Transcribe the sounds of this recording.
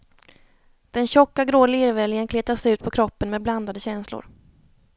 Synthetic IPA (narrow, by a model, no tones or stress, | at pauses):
d̪̥ɛnɕɔkːaɡɾoːlɪɾvɛljənkʰleːt̪asʉ̟ːt̪̚pʰɔkʰɾɔpːənmɛːd̪bland̪ad̪əɕɛnslʊ̰ɾ